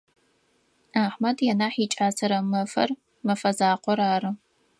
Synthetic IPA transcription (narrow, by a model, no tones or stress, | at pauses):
aːħmɐdjɛnaːħiːt͡ʃʼaːsɐɾɐmɐfɐ̰r | mɐfɐzaːqʷɔɾaːɾɨ